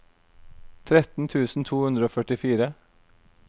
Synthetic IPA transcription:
t̪ʰɾɛt̪n̩t̪ʰʉːsn̩t̪ʰuːhʉnd̪ɾəoːfœʈɪfiːɾə

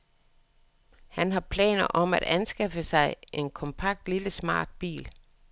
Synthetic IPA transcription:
hænɦɑ̈pʰlɛ̰ːnɐʔɒ̽mæɾ̥ænsɡ̥ɑfəsɑ̈ɪʔe̝nkʰɒ̽mpʰɑ̈ɡ̥̚d̥liləsmɑ̰̈ːd̥̚b̥ḭːl

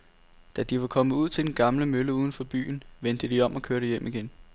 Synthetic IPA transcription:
d̥æd̥iʋɑ̈kʰɒ̽məuð̞̰ˠt͡sʰe̝ld̥enɡ̥ɑ̈mləmøləuːð̞ˠn̩fɒ̽b̥y̰ːnʋend̥əd̥iɒ̽m̰ɒ̽kʰøɐɾəjem̰iɡ̥en

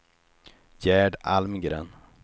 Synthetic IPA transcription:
jæːɖalmɡɾɛ̰n

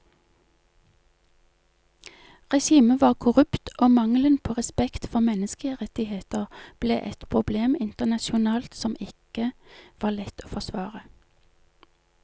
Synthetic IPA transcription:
ʁɛʃiːməʋɑːʁkʰʊʁʉpt̪oːmɑŋlənpʰoːʁɛspɛkt̪fɔʁmɛnəskəʁɛt̪ɪheːt̪əʁb̥lḛːʔɛt̪pʰʁʊbleːmɪnt̪ənɑʃʊnɑːlt̪sɔmɪkəʋɑːlɛt̪oːfɔsʋɑːʁə

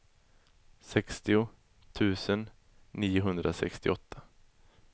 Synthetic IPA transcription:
sɛkst̪ɪʊ | t̪ʰʉ̟ːsənː | iːʊɦɵnd̪ɾʔasɛ̰kst̪ɪɔt̪ʰːa

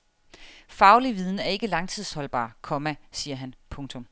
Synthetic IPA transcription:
fɑ̈ʊliʋiðˠn̩æɐe̝ɡ̥əlɑ̈ŋt͡sʰið̞̰ˠshɒ̽lb̥ɑ̰̈ːkʰɒ̽mæsiːɐɦænpʰɔ̽ŋt͡sʰɔ̽m

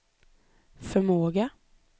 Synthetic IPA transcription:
fœɾmoːɡə

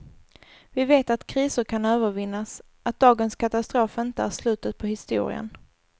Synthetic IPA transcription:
vɪveːt̪at̪kʰɾiːsʊɾkʰanøːvəɾvɪnːas | at̪̚d̪ɑːɡənskʰat̪ast̪ɾoːfɪnt̪əæʂlʉ̟ːt̪ət̪̚pʰɔhɪst̪ṵːɾɪ̰ə̰n

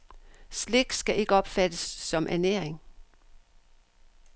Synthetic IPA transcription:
sleɡ̥̚d̥sɡ̥æʔe̝ɡ̥əɒ̽b̥fæd̥əsːɒ̽mʔæneɐe̝ŋ

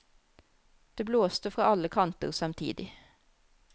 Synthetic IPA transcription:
d̪̥eːbloːst̪əfʁɑːɑləkʰɑnt̪ə̰ʁsɑmt̪ʰḭːd̪ɪ

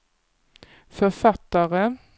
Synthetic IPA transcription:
fɔʁfɑt̪əʁə

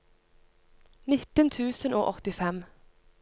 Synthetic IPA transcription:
nɪt̪ənt̪ʰʉːsənʔo̰ːʔɔt̪ɪfɛm

